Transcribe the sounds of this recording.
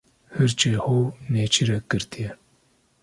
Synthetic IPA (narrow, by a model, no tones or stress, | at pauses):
hɨɾt͡ʃehoːneːt͡ʃʰiɾɛkɨɾt̪ijɛ